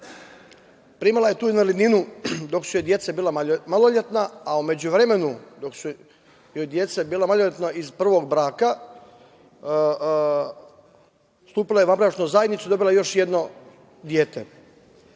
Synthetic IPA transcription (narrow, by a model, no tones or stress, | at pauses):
pɾimalˠaje̞t̪uːinalininud̪o̞ksujed̪je̞t̪sabiːlamalˠoʎet̪naaume̞d͡ʑuʋɾeme̞nud̪o̞ksu | jojd̪jet̪sabiːlˠamaloʎʲet̪naizpr̩ʋo̞ɡbɾaːka | st̪uːpilajeʋabɾat͡ʃnuzajd̪nit̪suid̪o̞bilˠaejo̞ʃje̞d̪no̞ | d̪jeːt̪e